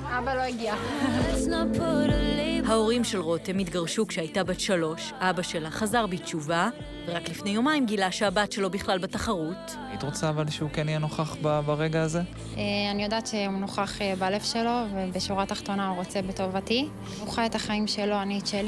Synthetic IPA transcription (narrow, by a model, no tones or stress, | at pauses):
abalo̞iɡiasnapulihao̞ʁimʃe̞lʁo̞temitɡaʁʃukʃeajtabatʃalo̞ʃʔabaʃelaχazaʁbitt͡ʃuva | veʁaklifne̞jo̞maimɡilaʃeabatʃe̞lo̞biχlalbetaχaʁut | ait̪ʁot͡saːvalʃeukenijɛnoχaχbabaʁeɡaːze | eanijodaːtʃeunoχaχebalefʃelo̞vebeʃuʁataχt̪o̞nauʁot͡sebeto̞vati | uχaetaχaimʃelo̞anit͡ʃeli